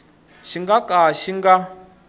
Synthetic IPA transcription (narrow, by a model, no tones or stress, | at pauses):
ʃiŋɡakʼaʃiŋɡa